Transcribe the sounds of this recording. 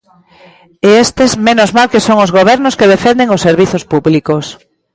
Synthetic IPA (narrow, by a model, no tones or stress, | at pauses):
eest̪ezmenozmalkesoŋozɣoβ̞ɛɾnoskeðefend̪eŋosːeɾβiθospuβlikos